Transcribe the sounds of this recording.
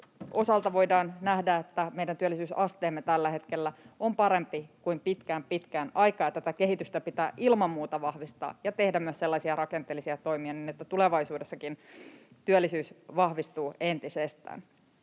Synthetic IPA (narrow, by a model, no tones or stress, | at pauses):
o̞sɑlt̪ɑʋo̞idɑːnnæhdæet̪ːæmeijdænt̪yølːˑisyːsɑst̪eːmːet̪ælːæhe̞t̪ke̞lːæo̞mpɑɾe̞mpikuimpit̪kæːmpit̪kænɑjkɑːet̪ːæt̪æke̞ɦit̪yst̪æpit̪æːʔilmɑmːuːt̪ɑʋɑhʋist̪ɑ̰ːjɑt̪e̞hdæmyøsselːɑsiɑɾɑke̞nt̪elːisiɑt̪o̞jmiɑniːnet̪ːæt̪uleʋɑjsuːdesːɑkint̪yølːisyːsʋɑhʋist̪uːe̞nt̪isest̪æ̰ːn